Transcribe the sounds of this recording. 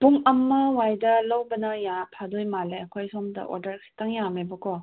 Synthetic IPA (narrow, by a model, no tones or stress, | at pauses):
buŋɐmːɐwajdɐlɐwbɐnɐjapʰadojmaleɐkʰɔjsɔmdɐ̰ʔɔ̰ɾdɐɾkʰi̥taŋjamebɐkɔ